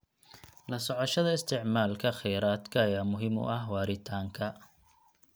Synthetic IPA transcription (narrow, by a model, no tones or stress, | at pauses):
lɐsɔʕɔʃɐðɐɪst̪ʰɪʕmaːlkʰɐχɛjɾaːd̪kʰɐːjaːmʊɦɪmʊ̰ʔɐɦwɑːɾɪt̪ʰaːŋkʰɐ